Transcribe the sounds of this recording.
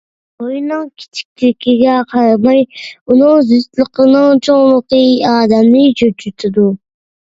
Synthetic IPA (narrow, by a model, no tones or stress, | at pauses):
ojnɨŋkʲʰi̥t͡ʃʰi̥k̚ʲt̪ʰɪkʲiɡʲɛqʰɑɾɑmɑjunɨŋzyst̪lˠɨqənɨŋt͡ʃʰoŋlˠəqɨɑːd̪ɛmnɪd͡ʒød͡ʒyt̪ʰɪd̪u